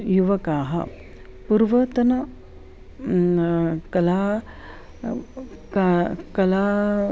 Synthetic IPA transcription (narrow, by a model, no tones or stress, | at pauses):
juʋɐkaːɦɐ̰ | puɾʋɐt̪ɐna | kɐla | kakɐla